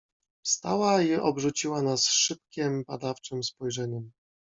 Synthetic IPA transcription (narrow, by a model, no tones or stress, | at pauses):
fst̪a̰waiʔɔbʐut͡ɕiwanasʂɘp̚kʲɛmbad̪aft͡ʂɘmspɔjʐɛɲɛm